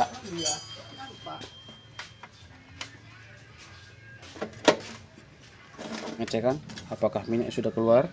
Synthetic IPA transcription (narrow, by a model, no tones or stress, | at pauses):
a | pa | ŋət͡ʃɛkanapakahminɛʔsudahkəluar